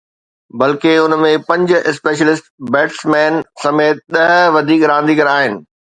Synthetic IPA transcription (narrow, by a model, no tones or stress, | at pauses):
bɐlkeʊnmẽpɐ̃ɲd͡ʑʊ̆ʔɪspeːʃ̬əlɪsʈbɛːʈsmɛːnsɐmeːt̪̚ɗɐɦʋɐd̪ʱiːkɾãːn̆d̪ʱikɐɾaːɦɪnɪ̆